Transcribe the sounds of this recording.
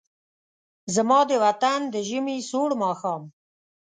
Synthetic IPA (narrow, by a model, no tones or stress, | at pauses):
zəmɑːd̪əwat̪and̪əʒɪmisoːɽmɑːxɑːm